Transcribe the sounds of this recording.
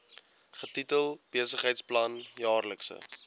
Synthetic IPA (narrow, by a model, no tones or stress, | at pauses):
χətitəlˠb̥iəsəχɦəjtsplɐnjɑːrləksə̰